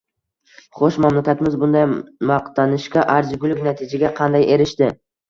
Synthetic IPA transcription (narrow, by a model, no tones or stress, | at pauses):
χoʃmamlakʲat̪ɪmɪzbʊnd̪ajmɑqt̪ʰanɪʃkʲaʔaɾzɡʲʊlɪkʲnat̪ʰɪd͡ʒaɡʲaqʰɑnd̪ajʔe̞ɾɪʃt̪ɪ